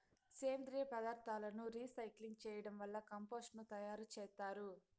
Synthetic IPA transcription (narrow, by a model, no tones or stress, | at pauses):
seːnd̪ɾijɐpɐd̪aːɾt̪aːlɐnuɾiːsɐjkliŋɡt͡ʃɛːjɐɽɐmʋɐlːɐkɐmpoːsʈnut̪ɐjaːɾut͡ʃɛːst̪aːɾu